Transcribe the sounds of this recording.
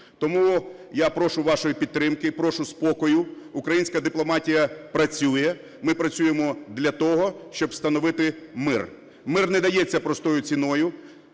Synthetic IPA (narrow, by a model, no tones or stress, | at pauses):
t̪ɔmujapɾɔʃʊʋɑʃɔjipʲid̪̚t̪ɾɪmkɪpɾɔʃʊspɔkɔjʊːkɾɐjinʲsʲkɐd̪ɪplˠɔmɑtʲijɐpɾɐt͡sʲujɛ | mɪpɾɐt͡sʲujemɔd̪lʲɐt̪ɔɦɔʃt͡ʃɔbst̪ɐnɔʋɪt̪ɪmɪr | mɪrnɛd̪ɐjɛt͡sʲːɐpɾɔst̪ɔjʊt͡sʲinɔjʊ